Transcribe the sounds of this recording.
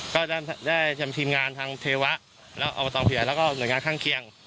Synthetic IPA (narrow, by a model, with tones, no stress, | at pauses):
kɔː˥˩daː˥˩daː˥˩jtʰmt̪ʰiː˧mŋaː˧nt̪ʰaː˧ŋt̪ʰeː˧wa˦˥ʔ | lɛ̰ː˦˥wʔa̰˧a˧t̪ɔː˧mpʰi˨˦jlɛː˦˥wkɔː˥˩nu˩˦jŋaː˧nkʰaː˥˩ŋkʰi˧əŋ